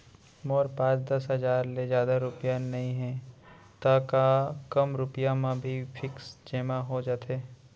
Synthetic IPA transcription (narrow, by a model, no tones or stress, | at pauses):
moːɾpãːt͡ʃd̪ɐsɦɐzaːɾlezjaːd̪aɾʊpijanɐɦĩɦɛ̃ | t̪akakɐmɾʊpjamãbʱifʰɪksd͡ʒeːmaɦod͡ʒaːt̪eː